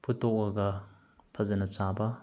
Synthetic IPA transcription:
pʰutːɔk̚ɐɡɐ | pʰɐzɐnɐt͡ʃabɐ

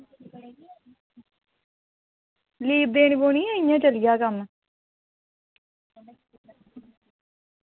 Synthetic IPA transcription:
liːb̚d̪eːɳboːniːɛːɪjãːt͡ʃəlɪjaːkəm

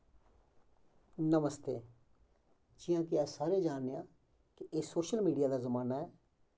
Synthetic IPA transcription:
nəməst̪eː | d͡ʒɪjãːkɪɛːsaːɾeːd͡ʒaːnːejãː | kɪeːsoːʃəlmiːɖijaːd̪aːzəmaːnaːɛː

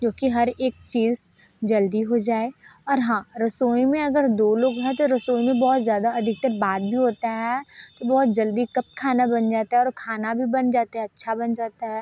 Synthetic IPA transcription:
d͡ʒoːkiɦɐɾeːk̚t͡ʃiːz | d͡ʒɐld̪iɦod͡ʒaːeɔːɾɦãːɾɐsoːimẽɐɡəɾd̪oːloːɡɦɛ̃t̪oɾɐsoːimẽbɔːt̪zjaːd̪aɐd̪ʱɪk̚t̪əɾbaːt̪̚bʱiɦoːt̪aɦɛt̪obɔːt̪̚d͡ʒɐld̪ikɐp̚kʰaːnabɐnd͡ʒaːt̪aɦɛɔːɾkʰaːnabʱibɐnd͡ʒaːt̪eɦɛɐtːʃʰabɐnd͡ʒaːt̪aɦɛː

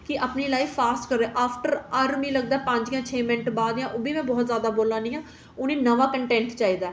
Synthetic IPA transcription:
kɪʔaːpniːlaːiːfaːsʈkəɾeːʔaːpʰʈəɾəɾmĩːləɡ̚d̪aɛpə̃ɲd͡ʒjãːt͡ʃʰeːmɪnʈbaːd̪jãːʔoːbiːmɛ̃ːbɔːt̪zjaːd̪aːboːlãːnĩːãː | ʊnẽːnəʋaːkəɳʈɛ̃ːɳʈt͡ʃaːiːd̪aː

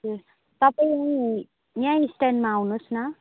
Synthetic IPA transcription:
e | t̪ʌpaĩʌ̃ | jãisʈanɖmaːwnosnʌ

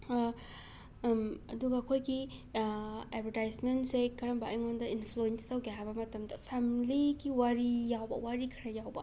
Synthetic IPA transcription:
ɐ̰duɡɐːkʰojɡi | ebɐɾtajsmentsekɐɾɐmbaʔɐjŋondɐinpʰluenstɐwkeabɐmɐtɐmdɐpʰamiliɡiwaɾijawbɐ̰waɾikʰɐɾɐjawbɐ̰

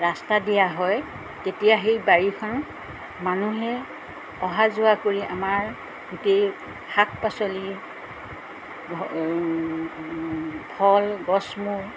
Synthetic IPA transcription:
ɹastadijaɦɔj | tetijaxejbaɹikʰɔn | manuɦɛ | ɔɦazʊakoɹiʔamaɹ | ɡutej | hak̚pasoli | bʰʱɔlɡɔsmu

